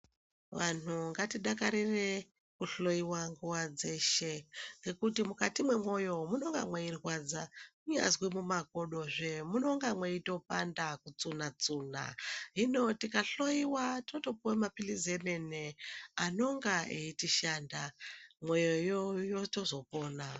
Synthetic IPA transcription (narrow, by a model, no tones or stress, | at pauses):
ʋan̤uŋɡatiɗakaɾire̞ | kuɬo̞jiwaŋɡuwad͡ze̞ʃe̞ŋɡe̞kutimukatimwe̞mo̞jo̞muno̞ŋɡa̰mweirwad͡zakuɲa̰zwimumako̞ɗo̞ʐemuno̞ŋɡamweito̞pandakut͡sunat͡suːna̰ɦino̞tikaɬo̞iwatinoto̞puwemapilizemeneano̞ŋɡaeitiʃaːndamwe̞jojojoto̞zo̞po̞ːna